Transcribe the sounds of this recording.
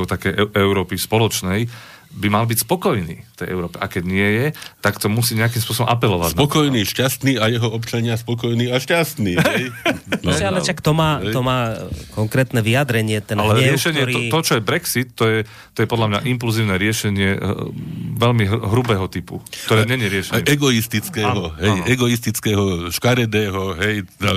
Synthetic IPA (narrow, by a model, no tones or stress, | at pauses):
uʊt̪akɛjʔɛʊɾɔːpifspɔlɔt͡ʃnɛj | bimalbicspɔkɔjnḭːft̪ɛjʔɛ̰ʊɾɔːpɛʔakɛɟɲɪɛjɛt̪akt̪ɔmusiːɲɛakimspʊɔs̬ɔbɔmʔapɛlɔʋa̰ɟnaɔkɔjniːʃcast̪niːajɛɦɔɔpt͡ʃaɲɪaspɔkɔjniːaʃcast̪niːɛmialɛʃakt̪ɔmaːt̪ɔmaːkɔŋkɾɛːt̪nɛʋiad̪ɾɛɲɪɛt̪ɛnalɛɾɪɛʃɛɲɪɛɔt̪ɔt͡ʃɔjɛbɾɛksit̪ːɔjɛ | ɔjɛpɔd̪lamɲa̰ʔimp̬ulziːʊnɛɾɪɛʃɛɲɪɛ | ʋɛʎmiɦɦɾubɛːɦɔt̪ipṵktt̪ɔɾɛːɲɛɲɛɾɪɛʃɛɛɛɡɔist̪it͡skɛːɦɔɦɛjɛɡɔist̪it͡skɛːɦɔʃkaɾɛd̪ɛːɦɔɦɛj̪a